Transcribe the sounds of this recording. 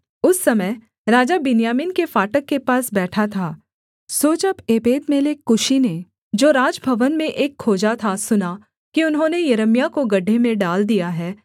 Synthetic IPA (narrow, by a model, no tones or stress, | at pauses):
ʊsːɐməj | ɾaːd͡ʒabɪnjaːmɪnkefaːʈəkːepaːsbɛːʈʰat̪ʰaː | soːt͡ʃəbeːbeːd̪meːlekːʊʃine | d͡ʒoːɾaːd͡ʒbʱɐʋənmẽʔeːkʰːoːd͡ʒat̪ʰasʊna | kiʊnɦõːnejɐɾəmjakoɡɐɖʱːemẽɖaːld̪ijaɦɛː